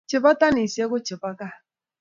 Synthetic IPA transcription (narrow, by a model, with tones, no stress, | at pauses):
t͡ʃɪ˨pa˦ta˦ni˨se˦ɡʊ˦t͡ʃɪ˨ba˦ka˦˨